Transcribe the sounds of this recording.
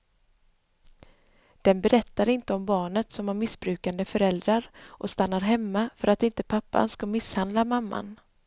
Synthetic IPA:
d̪̥ɛnbɛɾʔɛt̪ːaɾɪnt̪əɔmbɑːɳət̪sɔmaɾmɪsbɾʉ̟ːkand̪əfœɾɛld̪ɾaɾʔɔst̪anːaɾɦɛmːafœɾʔat̪ɪnt̪əpʰapːa̰nskamɪshand̪lamamːa̰n

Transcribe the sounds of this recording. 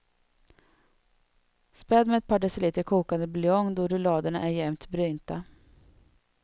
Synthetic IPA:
spɛd̪mɛɛt̪̚pʰɑːɖɛsəliːt̪əɾkʰuːkand̪əblʏɔŋd̪ɔɾɵlɑːd̪əɳa̰ʔæɾjɛmt̪bɾyːnt̪a

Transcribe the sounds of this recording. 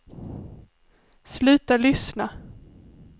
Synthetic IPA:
slʉ̟ːt̪alʏsna

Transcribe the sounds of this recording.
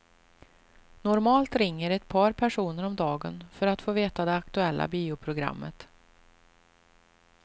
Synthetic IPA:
nɔɾmɑːlt̪ɾɪŋːəɾɛt̪pʰɑːɾpʰæʂuːnəɾɔmd̪ɑːɡənfœɾat̪foːveːt̪ad̪ɛakt̪ɵɛlːʔa̰biːʊpʰɾʊɡɾa̰mːə̰t̪

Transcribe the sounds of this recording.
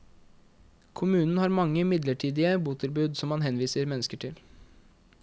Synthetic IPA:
kʰʊmʉːnn̩hɑːɾmɑŋːəmɪd̪ləʈʰiːd̪ɪəbuːt̪ʰɪlbʉːd̪sɔmːɑnɦɛnʋiːsəɾmɛnːəskəʈʰɪl

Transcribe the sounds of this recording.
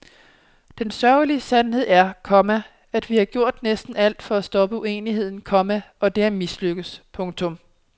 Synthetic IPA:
d̥ensɶɐʊliəsænɦe̝ð̞̰ˠæɐkʰɒ̽mæ | æd̥ʋihɑ̈ɡ̥jo̝ɐ̰d̥nesd̥n̩æl̰d̥fɒ̽æsd̥ɒ̽b̥əue̝̰ːnihe̝ð̞̰ˠn̩kʰɒ̽mæɒ̽d̥e̝æɐmisløɡ̥əspʰɔ̽ŋt͡sʰɔ̽m

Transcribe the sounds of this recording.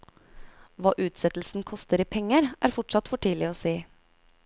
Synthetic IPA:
ʋɑːʔʉːt̪sɛt̪l̩sn̩kʰɔst̪əɾiːpʰɛŋəɾʔæ̰ːɾfɔʈʂɑt̪fɔʈʰiːlɪoːseː

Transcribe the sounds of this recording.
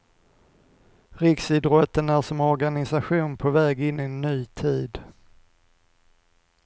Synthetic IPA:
ɾɪksɪd̪ɾɔt̪ːənæʂɔmɔɾɡanɪsaɧuːnpʰɔvɛːɡɪnːɪɛnːyːt̪ʰiːd̪

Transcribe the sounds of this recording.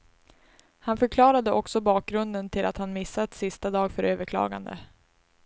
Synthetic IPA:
hanfœɾkʰlɑːɾad̪əʔɔksɔbɑːk̚ɡɾɵnd̪ənt̪ʰɪlʔa̰t̪hanmɪsːat̪sɪst̪ad̪ɑːɡfœɾʔøːvəkʰlɑ̰ːɡa̰nd̪ə̰

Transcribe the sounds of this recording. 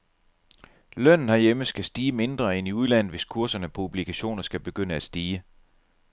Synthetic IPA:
lœn̰n̩hɑ̈jeməsɡ̥æsd̥iːəme̝nd̥ʁɐeniuðˠlæn̰ð̩ˠʋe̝skʰuɐsɐnəpʰub̥likʰæɕo̝̰ːnɐsɡ̥æb̥e̝ɡ̥øn̰əæ̥sd̥iːə

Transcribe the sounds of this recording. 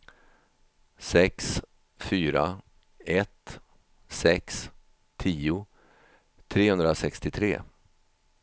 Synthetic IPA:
sɛks | fyːɾa̰ | ɛt̪ | sɛks | t̪ʰiːʊ | t̪ʰɾeːhɵnd̪ɾasɛkst̪ɪt̪ʰɾḛː

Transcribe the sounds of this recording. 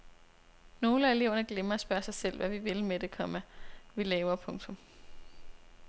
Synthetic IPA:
no̝ːləæe̝le̝ʊ̰ɐnəɡ̥lemɐæsb̥ɶɐsɑ̈ɪsel̰ʋæʋiʋe̝lmed̥e̝kʰɒ̽mæʋilɛːʊɐpʰɔ̽ŋt͡sʰɔ̽m

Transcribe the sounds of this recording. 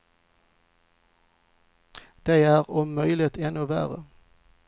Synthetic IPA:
d̪̥æɪæːʁʊmœʏlɪt̪ʰɛnoʋæ̰ːʁə̰

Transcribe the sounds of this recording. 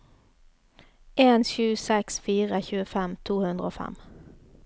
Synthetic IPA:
ʔeːnʃʉːsɛksfiːʁəçʉːəfɛmt̪ʰuːhʉnd̪ʁəoːfɛ̰m

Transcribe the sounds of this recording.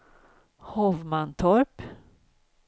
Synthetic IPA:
hɔvmant̪ʰɔɾp

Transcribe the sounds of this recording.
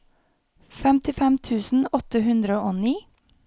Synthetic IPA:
fɛmt̪ɪfɛmt̪ʰʉːsn̩ɔt̪əhʉnd̪ɾəoːniː

